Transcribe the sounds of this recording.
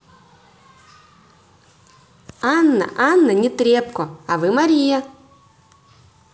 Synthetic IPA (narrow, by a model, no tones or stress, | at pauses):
anːɐ̰ʔanːɐnʲɪt̪ɾʲepkɔavɨmɐɾʲijɐ